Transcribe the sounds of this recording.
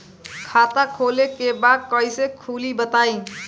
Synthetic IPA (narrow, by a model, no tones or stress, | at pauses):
kʰat̪akʰolekebad̪̚kəisekʰuːlibət̪aĩ